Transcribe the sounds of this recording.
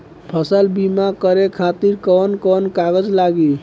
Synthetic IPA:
pʰəsəlbimakəɾekʰat̪iɾkɔnkɔnkaɡəd͡ʒlaɡi

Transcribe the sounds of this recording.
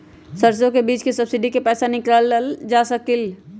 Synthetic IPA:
səɾs̬jõkebit͡ʃkesəbsiɖikepɛːsanikɾəlld͡ʒasəkil

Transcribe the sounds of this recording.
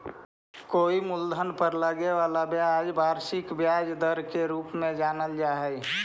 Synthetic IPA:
koːimʊld̪ʱənpəɾləɡeʋaːlabjad͡ʒbaːɾʃɪkbjaːd͡ʒd̪əɾkeɾuːpmẽd͡ʒaːnəld͡ʒaːɦɛ

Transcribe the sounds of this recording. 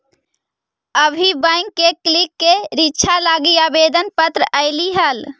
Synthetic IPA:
əbʱibəɪŋkːekːlikːeɾitːt͡ʃʰalaɡiabed̪ənpət̪ɾəʔəɪliɦəl

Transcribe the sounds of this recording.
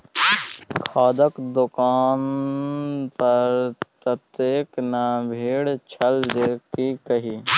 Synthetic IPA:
kʰaːd̪əkd̪ʊkaːn | pɐɾt̪ɐt̪eːknabʱeːɽt͡ʃʰəld̪eːkikɐɦiː

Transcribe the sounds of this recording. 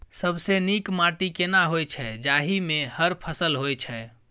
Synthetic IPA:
səbsenikmaʈikenaɦojt͡ʃʰɛd͡ʒaɦimehəɾpʰəsəlɦojt͡ʃʰɛ

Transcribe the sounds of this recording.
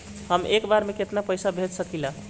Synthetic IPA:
həmʔekbaɾmeket̪napəjsabʱet̪səkila

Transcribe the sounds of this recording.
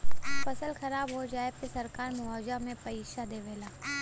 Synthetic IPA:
fɐsəlxɐɾaːbɦod͡ʒaːepesɐɾkaːɾmʊɦaːd͡ʒamẽpɐiːʃad̪eːʋeːlaː

